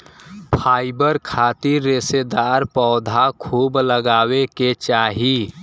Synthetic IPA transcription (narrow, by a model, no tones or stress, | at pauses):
pʰaːɪbəɾkʰat̪iɾːesed̪aɾpɔʊd̪ʱakʰuːbləɡaːweket͡ʃaːɦi